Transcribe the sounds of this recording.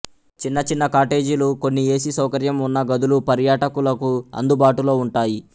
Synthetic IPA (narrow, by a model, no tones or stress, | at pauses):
t͡ʃinːɐt͡ʃinːɐkaːʈe̞ːd͡ʒuluko̞nːie̞ːsisɐwkɐɾjɐmunːɐɡɐd̪ulupɐɾjaːʈɐkulɐkuɐ̰nd̪ubaːʈulo̞ːuɳʈaːji